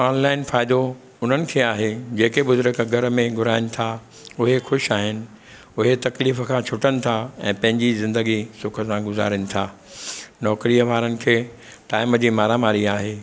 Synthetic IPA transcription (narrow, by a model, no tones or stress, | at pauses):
aːnlaːɪnfaːɪd̪o | ʊn̤ənɪ̆kʰeːaːɦed͡ʑeːkebʊzʊɾəkɡʱɐɾmẽɡʱʊɾaːɪnɪ̆t̪ʰa | ʊɦexʊʃaːɦɪnɪ̆ | ʊɦet̪ɐkliːfəkʰãːt͡ɕʰʊʈənɪ̆t̪ʰaɛ̃ːpɐ̃ɦɪ̃ɲd͡ʑizɪ̃nd̪əɡisʊkʰəsãɡʊza̰ːɾənɪ̆t̪ʰaː | nɔːkɾiəʋaːɾənɪ̆kʰeː | ʈaːɪməd͡ʑiːmaːɾamaːɾiaːɦeː